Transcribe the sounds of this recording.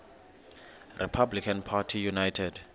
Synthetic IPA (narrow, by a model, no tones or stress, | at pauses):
rʔḭpʰablikʰãnpʰatʰijunajtʰɛd